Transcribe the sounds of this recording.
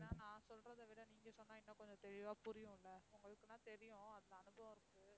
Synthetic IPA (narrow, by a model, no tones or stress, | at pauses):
nãːnãːsɔlrɐðɐʋɪɽɐniːŋɡɐsɔnːaːɪnːɐkɔɲd͡ʒɔ̃t̪ɛɻɪʋaːpʊɾɪjʊ̃ɪlːɐʊŋɡɐɭɯkːɯnãːt̪ɛɾɪjʊ̃ɐðɪlɐːnɯbɐʋ̃ɪɾɯkːɯ